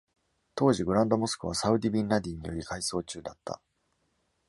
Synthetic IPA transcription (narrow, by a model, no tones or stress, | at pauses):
t̪o̞ːʑiɡɯ̟ɾãnd̪o̞mosɨ̥kɯ̟βasaɯ̟d̪ʲibʲĩnɾad̪ʲiɲ̟ːijo̞̰ɾʲikaiso̞ːt͡ɕɨːd̪at̪ːa̰